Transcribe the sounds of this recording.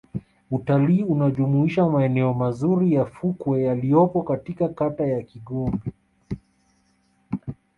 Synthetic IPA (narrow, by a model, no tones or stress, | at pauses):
utaliːunaʄumuiʃamaɛnɛɔmazuɾijafukwɛjalijɔpɔkatikakatajakiɠɔmbɛ